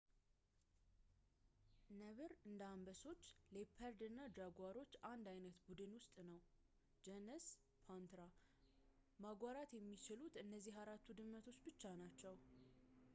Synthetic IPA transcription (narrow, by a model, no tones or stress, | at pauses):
nəβɨɾɨnd̪ambəso̞t͡ʃːle̞pʰəɾd̪ɨnːad͡ʒaɡʷaɾo̞t͡ʃːand̪ajnət̪bud̪ɨnwʊst̪ʼnəw | d͡ʒɛnɨs | pʰant̪ɾa | maɡʷwaɾat̪jɛmːit͡ʃɪlut̪ɨnːəzːiɦaɾat̪ːud̪ɨmːət̪ʰo̞t͡ʃːbɨt͡ʃːanat͡ʃːɛw